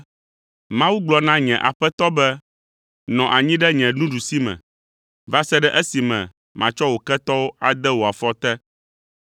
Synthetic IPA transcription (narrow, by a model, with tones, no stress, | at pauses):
mã˦wu˦ɡ͡blɔ˦nã˦ɲɛ̃˨ʔa̰˨ɸɛ˦t̪ɔ˦bɛ˦ | nɔ̃˨ʔa˨ɲĩ˦ɖɛ˦ɲɛ̃˨nũ˦ɖu˨si˦mɛ̰̃˨ | va˦sɛ˦ɖɛ˦ʔɛ˦si˨mɛ̰̃˨ | mã˨t͡ʃɔ˦wo˨kɛ˦t̪ɔ˦wo˦a˨d̪ɛ˦wo˨a˨fɔ˦t̪ɛ˦